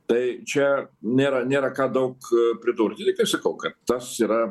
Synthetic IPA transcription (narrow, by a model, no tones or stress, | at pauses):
t̪ɐɪt͡ʃʲɛnʲeːɾɐnʲeːɾɐkɑːd̪ɐʊkpʲɾʲɪd̪urʲd̪ʲɪnʲɪkɐɪpsɐkɐʊkɐt̪t̪ɐsiːɾɐ